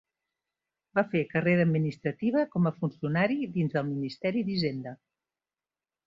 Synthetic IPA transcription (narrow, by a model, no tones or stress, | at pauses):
bafekəreɾəːd̪minist̪ɾət̪iβ̞əkɔməfunsiunaɾiðinzðəlˠminist̪ɛɾid̪iʒend̪ə